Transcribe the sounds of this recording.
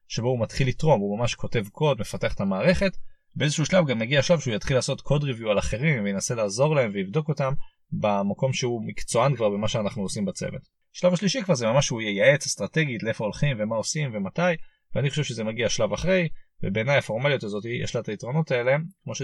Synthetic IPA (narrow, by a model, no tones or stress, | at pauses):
ʃeboumatχilitʁo̞numamaʃkʰo̞te̞vkʰo̞dmefate̞aχe̥t̪amaːʁe̞χe̞t | beezeʃuuʃlavɡamːeɡiaʃlavʃeujat̪χilːaːso̞tkʰo̞dʁivjualaχe̞ʁimvejenase̞laːzo̞ʁlae̞mvelivd̪o̞ko̞tam | bemako̞mʃeumikt͡soankvaʁbemaʃeanaχnuosimbat͡sḛvḛt | ʃlavaʃliʃikvaʁzemamaʃujejae̞t͡se̥st̪ʁate̞ɡitleefoolχimvemao̞simve̞mataj | veaniχo̞ʃe̞vʃezemaɡiaʃlavaχʁe̞jvebe̞ːnajafo̞ʁmalijotazo̞tiijɛ̰ʃlaetaitʁo̞no̞t̪ae̞lekmo̞ʃe